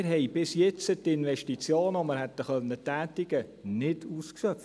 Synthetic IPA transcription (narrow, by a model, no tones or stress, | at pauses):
ɾɦɛɪbɪsjɛt͡sət̪ɪnʋɛʃtit͡sjoːnoməɾhɛt̪ːəχœnːətːæːtɪɡənɪduːskʃœf